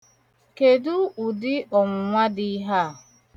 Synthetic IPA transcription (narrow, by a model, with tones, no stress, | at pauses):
ke˨du˦u˨dɪ˦ɔ˨mʊ˨ŋʷa˦dɪ˦ɦa˦˨